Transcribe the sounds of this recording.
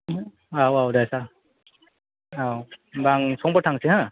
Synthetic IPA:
awawdajsa | awbaŋsʰɔŋbatʰaŋsiɦã

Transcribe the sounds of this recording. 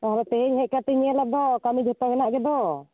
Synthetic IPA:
t̪ɔɦaɾɔt̪ɛɦɛɲɦɛʔkat̪ɛɲɛɛlap̚d̪ɔkamid͡ʒɔt̪ɔɦɛnaʔɡɛd̪ɔ

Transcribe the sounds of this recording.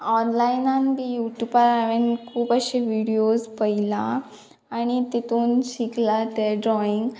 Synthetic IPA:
ɔnlajnanbijuʈjubaɾaʋenkʰuːpəɕeʋiɽiospəilaː | ɽ̃it̪et̪uːnɕiklat̪eɖɾɔiŋɡ

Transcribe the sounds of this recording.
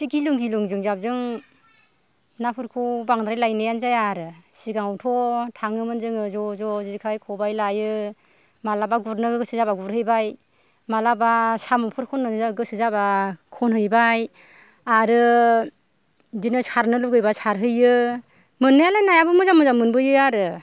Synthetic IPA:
iɡiluŋɡiluŋzɯŋzap̚zɯŋ | napʰɯɾkʰuwbaŋdɾajlajnɯjanzajaɾɯsiɡaŋwtʰɔtʰaŋɯmɯnzɯŋɯzɔzɔzikʰajkʰɔbajlajɯ | malabaɡuɾnɯɡɯɡɯsɯzabaɡuɾɦɯjbaj | malabasamɔpʰɯɾkʰɔnɯzaɡɯsɯzabakʰɔnhɦɯjbaj | aɾɯ | dinɯsaɾnɯluɡɯjbasaɾɦɯjɯ | mɯnːɯjalajnajabɯmɯzamɯzamɯnbɯjɯaɾɯ

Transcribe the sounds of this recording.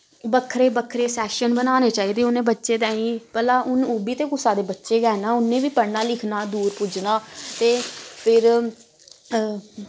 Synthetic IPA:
bəkʰːɾeːbəkʰɾeːsɛːʃənbənaːneːt͡ʃaːiːd̪eːʊnẽːbətːʃeːt̪ɛ̃ːĩːpəlaːʔʊnuːbiːt̪eːkʊsaːd̪eːbətːʃeːɡɛːnaːʊnːẽːʋiːpəɽnaːlɪkʰnaːd̪uːɾpʊd͡ʒnaːt̪eːpʰɪɾ

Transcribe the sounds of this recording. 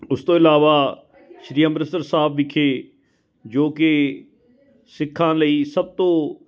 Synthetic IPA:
ʊst̪oːɪlaːʋaː | ʃɾiːəmɾəsəɾsaːbʋɪkʰeː | d͡ʒoːke | sɪkʰːãːlɐiːsɐb̚t̪õː

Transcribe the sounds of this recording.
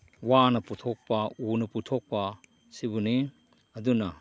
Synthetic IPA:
wanɐputʰok̚pɐunɐputʰok̚pɐ | sibuni | ɐdunɐ

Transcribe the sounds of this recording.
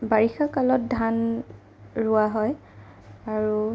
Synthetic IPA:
baɹixakalɔt̚dʱan | ɹʊaɦɔj | aɹu

